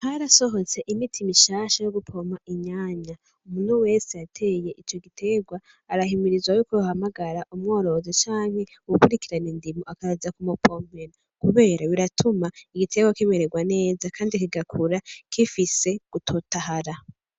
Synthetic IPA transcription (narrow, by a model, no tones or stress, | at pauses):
haɾaso̞ɦo̞t͡se̞ʔimitʰimiʃaːʃajo̞ɡupʰo̞maʔiɲaːɲa | umun̥huwe̞ːsejatʰe̞ːje̞ʔit͡ʃo̞ɡitʰe̞ɡwaː | ɾaɦimiɾizwajikojuhamaɡaɾaʔumŋo̞ːɾoozet͡ʃaːŋ̥he̞ | uwukuɾikiɾanindimoʔakaɾazakumopʰom̥eno | kuβe̞ːɾaβiɾatʰumaiɡitʰe̞ɡwakimeɾeɡwane̞ːzakʰaːndikiɡakʰuɾakʰifise̞ɡ̥utʰotaɦaɾa